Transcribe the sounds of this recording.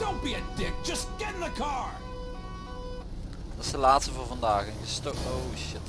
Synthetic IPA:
d̥õʊ̃nb̥iɨd̥ɪk̚d̥ʒ̥ʌsɡ̥ɛɾɪ̃ŋðəkʰɑɹ | tɑsəlaːtstəvʊːvɑndaːɣɪnəstoʔoʃɪt

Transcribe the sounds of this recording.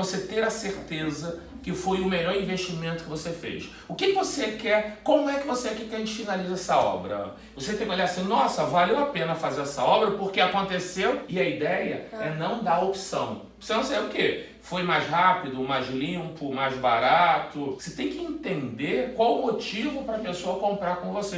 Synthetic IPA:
oset̪eɾɐseɾt̪ezɐ | kɪfojʊmeʎɔɾĩveʃt͡ʃimẽnt̪ʊ̥kɪvosefḛjʃ | ʊkɪkɪvosekɛɾkõmʊɛkɪvoseakikɛɐʒẽt͡ʃɪfinalizɛsɐɔ̰bɾɐ̰ | voset̪ẽj̃kolaɾasĩnɔsɐvalewapẽnɐfazeɾɛsɐɔbɾɐpoɾkeakõnt̪esewɪɐid̪ɛjɐ̰ɛnɐ̃w̃d̪aopsɐ̰̃w̃ | osenɐ̃sabeɪʊke | fojmajzhapid̪ʊmajzlĩmpʊmajzba̰ɾat̪ʊvoset̪ẽj̃kɪẽnt̪ẽnd̪ekwawʊmot͡ʃivʊpɾɐpesoɐkõmpɾaɾkõvose

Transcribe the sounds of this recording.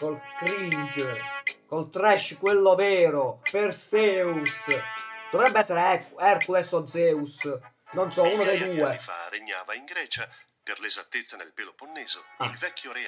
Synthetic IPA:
kolkɾind͡ʒ | kolt̪ɾɛʃkwelːovɛːɾopersɛːusd̪̥ɔvɾɛbːɛsːɛɾeɛrkulɛsɔd̪zɛːus | nonsɔuːnod̪ejd̪uːefa̰ɾeɲːaːvaiŋɡɾɛːt͡ʃa | perlezat̪ːet̪sːanḛlpeːloponːɛːzoilvɛkʰʲːjoɾɛ

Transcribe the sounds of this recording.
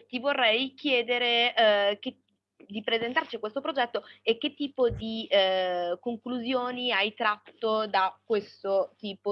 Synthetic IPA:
t̪ivorːɛjkjɛːd̪eɾek̟e | d̪ipɾezent̪art͡ʃikwest̪opɾod͡ʒɛt̪ːoek̟ːet̪ːiːpod̪i | koŋkluzjoːniajt̪ɾat̪ːod̪akwest̪ot̪iːpo

